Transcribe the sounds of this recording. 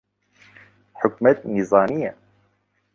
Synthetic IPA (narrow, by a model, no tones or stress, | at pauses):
ħʊkmɛt̪̚nizˤɑːmijɛ